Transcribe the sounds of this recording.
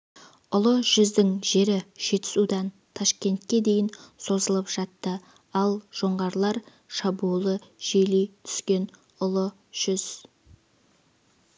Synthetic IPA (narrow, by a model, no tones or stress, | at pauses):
ʊlˠəʒ̥ʏzd̪ɪŋʒe̞ɾɪʒ̥e̞t̪ɪ̥sud̪ɑn | t̪ʰɑʃkʲe̞nt̪̚kʲe̞d̪e̞jɪnso̞zəlˠəpʒ̥ɑt̪ːə | ɑlˠʒ̥o̞ɴʁɑɾlˠɑɾ | ʃɑbulˠəʒ̥ejlejt̪ʰʏ̥skʲe̞n | ʊlˠə | ʒ̥ʏz̥